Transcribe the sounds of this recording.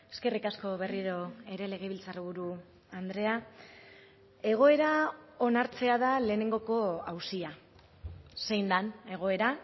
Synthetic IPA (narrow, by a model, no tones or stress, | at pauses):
e̞ske̞rikasko̞βe̞riɾo̞e̞ɾe̞le̞ɣ̞eβilt͡sariβ̞uɾu | and̪ɾe̞a | e̞ɣ̞o̞e̞ɾao̞naɾt͡se̞aðale̞ːne̞ŋɡo̞ko̞awsia | se̞jnd̪ane̞ɣ̞o̞e̞ɾa